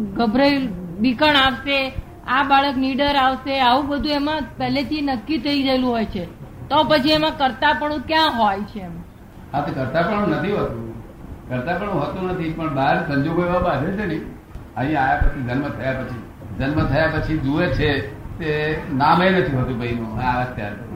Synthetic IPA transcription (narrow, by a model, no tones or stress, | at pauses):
ɡəbʱɾəibikəɳaʋse | abaɭəkniɖəɾaʋseaʋũbəd̪ʱũemãpɛɦlet̪ʰinəkːit̪ʰəid͡ʒəelũɦojt͡ʃʰet̪opət͡ʃʰiemãkəɾt̪apəɳ̃ũk̪jãɦojt͡ʃʰeːmã | ãt̪okəɾt̪apəɳ̃ũnət̪ʰiɦət̪ũ | kəɾt̪apəɳ̃ũɦət̪unət̪ʰipəɳbaɾsə̃ɲd͡ʒoɡoeʋabad͡ʒet͡ʃʰenəĩ | əɦĩãajapət͡ʃʰid͡ʒənmət̪ʰəjapət͡ʃʰi | d͡ʒənmət̪ʰəjapət͡ʃʰid͡ʒuʋet͡ʃʰet̪enamenət̪ʰiɦət̪ũbəinũaət̪ja̰ɾpəɾũ